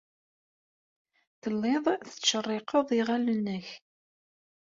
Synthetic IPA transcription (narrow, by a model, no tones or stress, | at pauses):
θəlːeðˤθə̥ʃːərˤːɪqʰəðˤiʁælənːəç